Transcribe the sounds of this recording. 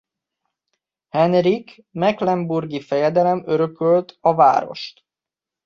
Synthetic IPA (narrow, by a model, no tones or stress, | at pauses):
hɛnrik | mɛklɛmburɡifɛjɛd̪ɛlɛmøɾøkølt̪ɒva̰ːɾo̞̰ʃt̪